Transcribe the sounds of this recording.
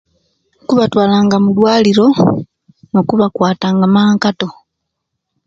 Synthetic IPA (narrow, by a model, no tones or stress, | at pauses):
kuβatwaːlaːŋɡamudwaːliɾo̞ | nokuβakwaːtaːŋɡamaːŋkato̞